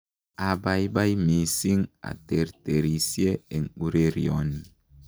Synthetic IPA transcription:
a˨ba˨jba˦jmi˨si˦ŋa̰˨te˨ɾte˨ɾi˨sje˦e˨ŋu˦ɾe˦ɾi˨ɔ˨ni˨

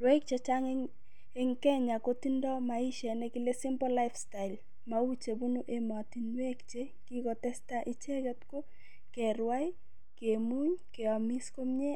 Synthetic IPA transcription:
ɾwe˦k̚t͡ʃe˨t͡ʃa˦ŋeŋ | e˦ŋkɛ˦ɲa˨ko˦ti˦ndɔ˦ma˨i˦ʃɛ˨nɛ˦ki˦le˦si˦mpɔ˦la˦ɪfsta˨ɪ˨l | mau˦t͡ʃe˨bu˦nu˦ʔe˦ma˨ti˨nwe˦kt͡ʃe˦ | ki˦kɔ˨tɛ˦staʔi˦t͡ʃɛ˦kɛ˦tko˦ | kɛ˨ɾwa˦i˦ | ke˨mu˦ɲke˨ɔ˨mi˦sko˦mɲe˦

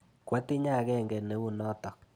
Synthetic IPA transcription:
kwa˦ti˦ɲa˦˨kɛ˦ŋɡɛ˨ne˦wu˦nɔ˦tɔ˨k̚

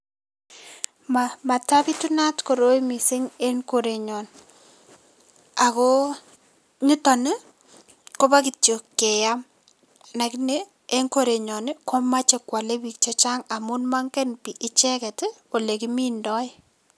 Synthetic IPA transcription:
mama˨ta˦bi˦tu˦na˦tko˨ɾo˦jmi˨sɪ˦ŋe˦ŋko˦ɾe˨ɲɔ˨n | a˨ko˦ | ɲi˦tɔ˨ne˦ | ko˦ba˦k̬i˨tjo˨kːɛ˨ja˦m | na˨ki˦ne˦ | e˦ŋko˦ɾe˨ɲɔ˨n˦kʰo˦ma˦t͡ʃe˨kwa˨le˦bi˦k̚t͡ʃɔ˦t͡ʃa˦ŋa˨mʊ˦nma˦ŋkɛ˦npi˨ʔɪ˦t͡ʃɛ˦kɛ˨to˨le˨ki˦mi˦ndɔ˦ɪ˦

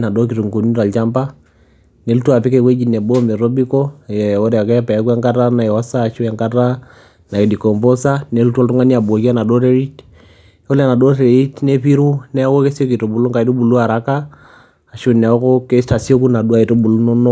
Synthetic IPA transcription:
na˨do˦k̬i˨tu˨ŋɡo˨ni˦ɾa˨lt͡ʃa˦mba˦ | ne˨˦lu˦tu˦a˨pi˦ke˦kwe˦d͡ʒi˨ne˨bo˦me˨ɾo˦bi˦ko˦je˨o˦ɾɛ˨a˨kɛ˦pa˨˦kwɛ˦ŋka˦ɾa˦na˨ɛ˨wa˦saː˦˨ʃu˦ɛ˨ŋka˦ɾa˦ | na˨e˨di˨ko˨mpo˦sa˦ne˨˦lu˦ta˦ltu˦ŋa˦ni˦a˨bo˨ki˦a˦na˨do˦ɾe˦ɾi˦t | o˦lɛ˨na˨do˦ɾe˨ɾi˦tne˦pi˦ɾu˦nɛ˦ko˦ke˦so˦ki˨to˨bu˨lu˦ŋka˨i˦do˦bu˨lu˦a˨ɾa˨˦kaː˦˨ | ʃu˦nɛ˨ɔ˦ko˦ke˦sta˨so˦ku˦na˨du˦a˦˨i˨to˦bu˨lu˦no˦no˦

